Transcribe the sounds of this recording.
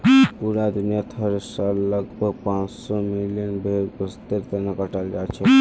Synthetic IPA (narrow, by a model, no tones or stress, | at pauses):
puɾad̪injət̪ʰəɾsalləɡbʱəɡ̚pãt͡ʃsɔmilijənbʱeɾbəst̪eɾt̪ənakəʈald͡ʒat͡ʃʰə